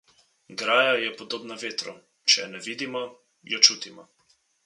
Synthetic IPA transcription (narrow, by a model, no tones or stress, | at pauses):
ɡɾaːjajɛpɔd̪oːbnaʋeːt̪ɾɔ | t͡ʃɛnɛʋiːd̪imɔ | jɔt͡ʃuːt̪imɔ